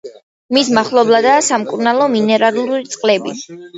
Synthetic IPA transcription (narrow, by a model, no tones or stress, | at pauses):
mismaχlˠɔblˠad̪aːsamkʼuɾnalˠɔminɛɾaluɾit̪sʼqʼlɛbi